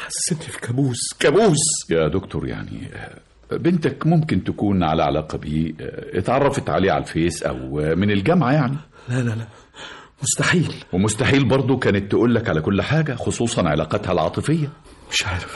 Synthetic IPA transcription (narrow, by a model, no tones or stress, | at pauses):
ħasːet̪fi̥kæbuːskæbuːsjæd̪okt̪oɾja̰ʕnḭ | bent̪ækmomkent̪ækuːnʕa̰læʕa̰læːqɑbiːʔet̪ʕɑrˤːɑfet̪ʕa̰leːʕa̰lfeːsʔæ̰wmɪnelɡæmʕajaʕni | lælælæ | most̪aħiːlwemost̪aħiːlbɑɾˤd̪ˤokæːnet̪ːeʔuːlːækʕalækolːħaːɡæxosˤuːsˤɑnʕelɑ̰ːqɑt̪hælʕɑːt̪ˤɨfejːæ | meʃʕajɾf